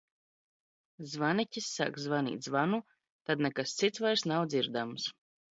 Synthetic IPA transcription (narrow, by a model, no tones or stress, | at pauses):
zvanicʲisːa̰kzvanḭːt̪ʲzvanu | t̪ad̪nɛkast̪sit̪svajɾsnawd̪ziɾd̪ams